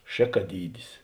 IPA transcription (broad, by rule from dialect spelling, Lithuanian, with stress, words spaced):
ˈʃʲeːkɐˌdʲiːdʲɪs